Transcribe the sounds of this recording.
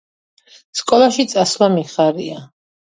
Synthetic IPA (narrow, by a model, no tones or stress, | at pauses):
skʼɔlˠaʃit̪sʼaslamiχaɾia